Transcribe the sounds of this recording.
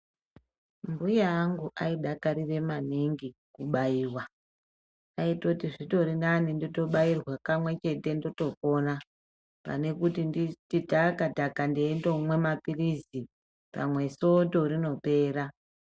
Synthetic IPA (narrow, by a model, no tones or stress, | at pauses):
mbujaːŋɡuʔaiɗakaɾire̞maniŋɡikuɓaiːwa | aitotiʐito̞ɾinanindoto̞ɓairwakamwe̞t͡ʃe̞te̞ndoto̞ko̞na | pa̰ne̞kutindititakadakandiːndomwe̞mapirizi | pa̰mwe̞so̞to̞rino̞pe̞ːɾa